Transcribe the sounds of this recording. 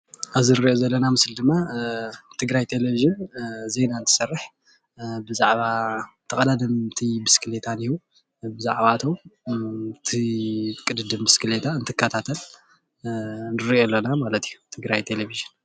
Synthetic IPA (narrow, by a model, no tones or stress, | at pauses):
aβzɨɾiʔozɐlːɐnamɨsld̪ɨmːa | t̪ʰɨɡɾajt̪ʰe̞leviʒɨnze̞nant̪ʰɨ̥sɐrːɨħ | bɨzaʕβat̪ʰɐkʼɐd̪ad̪ɨmt̪ʰibɨskʰɨlet̪ʰaniju | bɨzaʕβat̪ʰow | t̪ʰikʼɨd̪ɨd̪ɨmbɨskɨlet̪ʰaɨnt̪ʰɨkʰːɐt̪ʰat̪ʰɐl | nɨɾiolːonamalɐt̪ijut̪ʰɨɡɾajt̪ʰe̞leviʒɨn